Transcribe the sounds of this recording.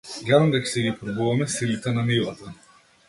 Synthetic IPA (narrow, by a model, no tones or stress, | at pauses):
jaɾnd̪ɛksɛɡipɾɔbuvamɛsilit̪ɛnamilˠat̪a